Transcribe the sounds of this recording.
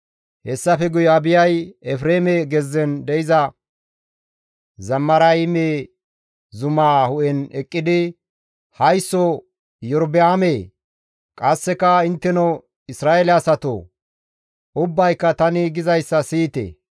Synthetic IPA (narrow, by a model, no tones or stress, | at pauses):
hɛsːɐfɛɡʊjɔɐbɪjɐjɛfɾeːmɛɡɛzːɛnd̪ɛɪzɐ | zɐmːɐɾɐjme | zʊmaːhʊʔɛnɛkʼːɪd̪ɪ | hɐjsːɔ | jɔɾbɪaːmeː | kʼɐsːɛkːɐɪnt̪ːɛnɔ | ɪsɾaːelɛɐsɐt̪o̰ː | ʔʊbːɐjkːɐt̪ɐnɪɡɪzɐjsːɐsiːt̪ḛː